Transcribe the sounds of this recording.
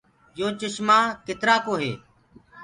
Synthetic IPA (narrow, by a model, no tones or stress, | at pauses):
joːt͡ʃəʃmaːkɪt̪ɾaːkoːɦḛː